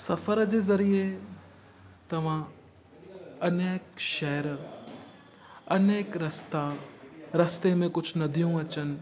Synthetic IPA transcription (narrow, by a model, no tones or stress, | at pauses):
sɐfəɾd͡ʑeːzɐɾie | t̪ɐʋ̤ã | ɐneːkʃɛɦɾ | ɐneːkɾɐst̪aɾɐst̪emẽkʊd͡ʑʱnɐd̪ʱijũɐt͡ɕənɪ̆